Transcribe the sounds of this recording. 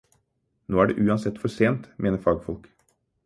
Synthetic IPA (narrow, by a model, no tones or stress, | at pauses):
noːæɖɛ̰ːʔʉːɑnsɛt̪ːfɔʂeːnt̪mʔeːnəɾfɑːɡfɔlk